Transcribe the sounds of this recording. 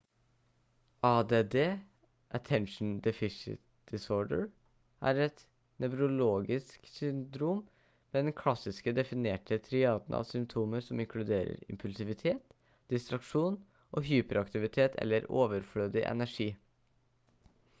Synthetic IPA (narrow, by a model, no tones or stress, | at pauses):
ɑːd̪eːd̪eː | ʔət̪ʰɛnʂn̩d̪ɛfɪʂɪ̰t̪ | d̪̥ɪsoːɖəɹ | ʔæ̰ɾɛt̪ | nœbɾʊloːɡɪsksʏnd̪ɾuːm | mɛːd̪ɛnkʰlɑsɪskəd̪ɛfɪneːʈʰət̪ʰɾɪɑːd̪nɑ̰ːʋsʏmpt̪ʰuːməɾsɔmɪŋkʰlʉd̪eːɾə̰ɾɪ̰mpʰʉlsɪʋɪt̪ʰeːt̪ | d̪̥ɪst̪ɾɑkʂuːn | ʔoːɦyːpəɾɑkt̪ɪʋɪt̪ʰeːt̪ʰɛ̰lːəɾoːʋəɾfɽøːd̪ɪʔɛ̰næʂiː